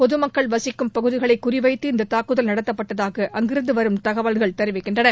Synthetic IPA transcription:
pɔðɯmɐkːɐɭʋɐsɪkːɯmpɐɣɯðɪɣɐɭɐɪkːʊrɪʋɐɪt̪ːɯɪnd̪ɐt̪aːkɯðɐlnɐɽɐt̪ːɐpːɐʈːɐðaːɣɐʔɐŋɡɪɾɯnd̪ɯʋɐɾɯmt̪ɐɣɐʋaɭɣɐɭt̪ɛɾɯʋɪkːɪɳdrɐnɐɾ

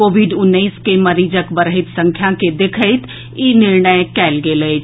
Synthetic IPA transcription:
koːʋiɖʊnːəːskeməɾiːd͡ʒəkbəɾəɦɪt̪sə̃ŋkʰjãked̪ekʰəɪt̪ | inɪɾɳəjkɛːlɡelə

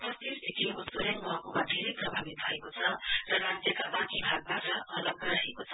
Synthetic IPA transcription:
pʌst̪ird̪ʰʱekʰiusoɾʌŋmʌɦakomad̪ʱeɾeprʌbʱabit̪̚bʱʌekot͡sʰʌrʌɾat̪jʌkabakibʱaɡ̚baʈʌʔʌlʌɡːʌɾʌɦekot͡sʰʌ

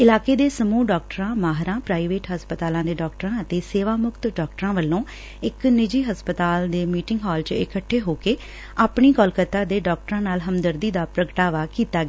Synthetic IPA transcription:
ɪlaːkeːd̪eːsəmuːɖɔːk̚ʈɾãːmaːɦɾãːpɾaːiʋeːʈɦəspət̪aːlãːd̪eːɖɔːkʈəɾãːət̪eːseːʋaːmʊkt̪ɖɔːkʈəɾãːʋəlːõː | ɪknɪd͡ʒiːɦəspət̪aːld̪eːmiːʈɪ̃ŋɡɦɔːlt͡ʃɪkəʈʰːeːɦoːkeː | aːpɳiːkɔːlkət̪aːd̪eːɖɔːk̚ʈəɾãːnaːlɦəmd̪əɾd̪iːd̪aːpɾəkʈaːʋaːkiːt̪aː

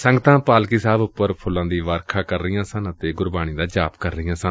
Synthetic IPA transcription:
səŋɡt̪ãːpaːlkiːsaːbʊpːəɾpʰʊlːãːd̪iːʋaːɾkʰaːkəɾːɪjãːsənət̪eːɡʊɾbaːɽ̃iːd̪aːd͡ʒaːpkəɾːəɪjãːsən

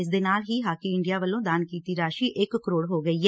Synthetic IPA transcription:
ɪs̬d̪eːnaːlɦiːɦaːkiːɪɳɖijaːʋəlːõːd̪aːnkiːt̪iːɾaːʃiːʔɪkkːəɾoːɽɦoːɡəiːɦɛ

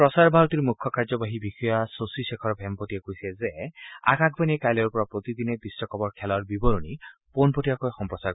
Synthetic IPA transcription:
pɾɔsaɾbʱaɾɔt̪iɾmukʰːɔkaɾd͡ʒɔbaɦibixɔjasosisekʰɔɾɔbʱempotiakoisezea̰kakʰbaniekajlɔɾupɔɾɔpɾot̪id̪inep̪isːɔkɔbɔɾkʰɛlɔɾbibɔɾuñiponpoʈiakɔjxɔmpɾɔsa

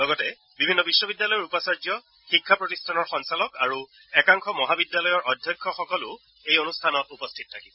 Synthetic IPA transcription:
lɔɡɔtɛ | bibʱinːɔbisːɔbidjalɔjɔɹupɔsaɹzjɔ | xikʰːapɹɔtistʰanɔɹxɔnsalɔkaɹu | ɛkaŋxʰɔmɔɦabidjalɔjɔɹʔɔdʱjɔkʰːɔxɔkɔlʊ | ejonustʰanɔtupɔstʰit̚tʰːakibɔ

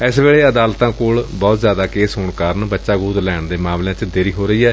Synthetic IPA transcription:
ɛsʋeːɭeːəd̪aːlt̪ãːkoːɭbɔːt̪zjaːd̪aːkeːsɦoːɳkaːɾnbətːʃaːɡuːd̪lɛːɳd̪eːmãːmlejãːt͡ʃd̪eːɾiːɦoːɾəiːɛː

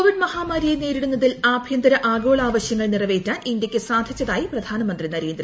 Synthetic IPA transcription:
koʋiɖmɐhaːmaːɾijeneːɾiɽunːɐðilaːbʱjɐnd̪ɐɾɐʔaːɡo̞ːɭaːʋɐɕjɐŋːɐɭnirɐʋeːtʲːaːnind̪ʲjɐkʲːɨsaːd̪ʱit͡ɕːɐðaːjiprɐd̪ʱaːnɐmɐnd̪rinɐɾeːnd̪rɐ

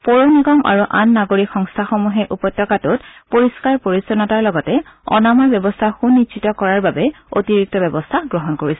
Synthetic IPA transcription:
pɔɹoniɡɔmʔa̰ɹuʔa̰nːaɡoɹikxɔŋstʰaxomuɦɛʔupɔtɹɔkatʊt̚poɹiskaɹpoɹisɔnɔtaɹlɔɡɔtɛɔ̰namɔbjɔbɔstʰaxunːitsʰitɔkɔɹaɹbabɛ | o̰tiɹik̚tɔbɛbɔstʰaɡɹɔɦɔnkoɹisɛ

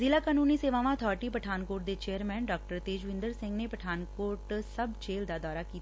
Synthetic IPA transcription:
zɪlaːkaːnuːniːseːʋãːʋãːət̪ʰɔːɾʈiːpəʈʰaːnkoːʈ̚d̪eːt͡ʃeːəɾmɛːnɖɔːk̚ʈəɾt̪eːd͡ʒʋɪ̃nd̪əɾsɪ̃ŋɡneːpəʈʰaːnkoːɾʈsəbt͡ʃeːld̪aːd̪ɔːɾaːkiːt̪a

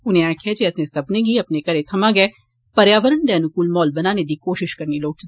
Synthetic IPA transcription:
ʊnẽɛːkʰiad͡ʒeɛsnesɐbneɡʱiɐpnekɐɾet̪ʰɐmaɡɐɛː | pɐɾjaːʋəɾənd̪ɛːnʊkuːlmɔːlbɐnaːned̪ikoːʃɪʃkɐɾniloːk̚t͡ʃ

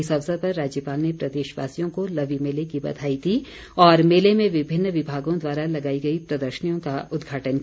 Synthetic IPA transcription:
ɪsɐʋsəd̪̚pɐɾːaːd͡ʒjəpaːlnepɾɐd̪eːʃʋa̰ːsijõkolɐʋimeːlekibɐ̰d̪ʱaːit̪ʰi | ɔːɾmeːlemẽʋɪbʱɪnːəʋɪbʱaːɡõd̪waːɾalɐɡaːiɡɐipɾɐd̪əɾʃənijõkaʔʊd̪ɡʱaːʈənk

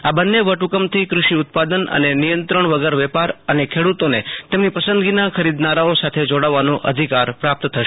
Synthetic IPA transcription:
abənːeʋəʈukəmt̪ʰikɾuʃiʊt̪̚pad̪ənə̰nenijə̃nt̪ɾəɳʋəɡəɾʋɛpaɾənekʰeɽut̪onet̪emnipəsənd̪ɡinakʰəɾid̪naɾaosat̪ʰed͡ʒoɽaʋːanũʔəd̪ʱikaɾpɾap̚t̪t̪ʰəʃ

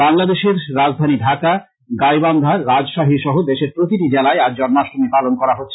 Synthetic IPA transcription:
aŋlad̪eʃeɾɾad͡ʑd̪ʱaniɖʱaka | ɡajband̪ʱaɾɾad͡ʑʃaɦiʃɔɦod̪eʃeɾpɾot̪iʈid͡ʑelaeaɾd͡ʑɔnmaʃʈomepalonkɔɾaɦotːɕʰe

